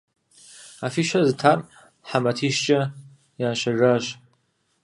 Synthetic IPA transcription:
afiʃaztʰar | ħamatʰiʃt͡ʃʼa | jaːʃaraʃ

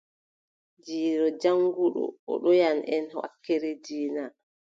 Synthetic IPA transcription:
d͡ʒiːɾɔd͡ʒaŋɡuɗɔ̰ɔ̰ɗɔjanʔɛnwa̰kːɛɾɛd͡ʒiːna

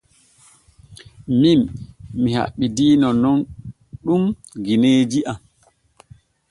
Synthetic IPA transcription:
mimːiha̰ɓːidiːnɔnɔn | ɗum | ɡineːd͡ʒiʔam

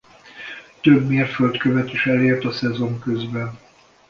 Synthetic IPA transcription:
t̪øbmeːrfølt̪køvɛt̪iʃɛleːrt̪ɒsɛzo̞ŋkøzbɛn

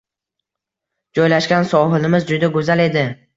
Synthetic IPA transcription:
d͡ʒɒjlaʃɡʲansɒɦɪlɪmɪzd͡ʒʊd̪aɡozale̞d̪ɪ

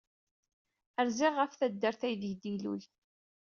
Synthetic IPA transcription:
əɾzɪʁːəfθæd̪ːəɾθæjðd̪ilṵj

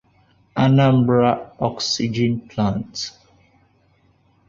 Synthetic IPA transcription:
anãmbɹaɔksid͡ʒĩnpʰlãnt

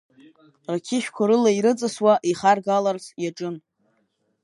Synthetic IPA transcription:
rakʲʰɪʃᶣkʷʰaɾɨlaiɾɨt͡sʼɨswaʔiχarɡalarzʰjaʈ͡ʂʼɨn

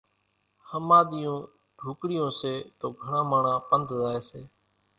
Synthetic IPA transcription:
həmaːɗ̪ijõː | ɖʱuːkɽɪjõːseːt̪oːɡʱəɳãːmaːɳãːpənd̪ʱzaːeːseː

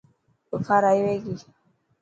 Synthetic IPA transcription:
ofaɾajweɡi

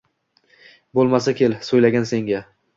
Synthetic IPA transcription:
bolˠmas̬akʲʰe̞lsojlaɡʲanse̞ŋɡʲa

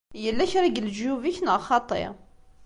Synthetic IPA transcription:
jəlːæçɾˤiɡld͡ʒjuviçnəʁχɑt̪ˤḛ

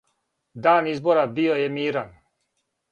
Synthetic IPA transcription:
d̪aːnizboɾabiojemiːɾan

